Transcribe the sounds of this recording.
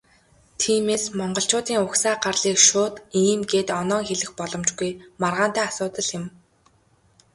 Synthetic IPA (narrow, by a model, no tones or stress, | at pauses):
t̪ʰiːmeːsmɔɴɢɞ̆ɬt͡ɕʊːt̪iːŋʊksaːɢarɮiːkʃʊːt̪iːmɡeːt̪ɔnɔːŋxeɮɘ̆xpɔɮɞ̆mt͡ɕɡujmarʁaːn̥t̪æːasʊːt̪ə̆ɮjɪ̆m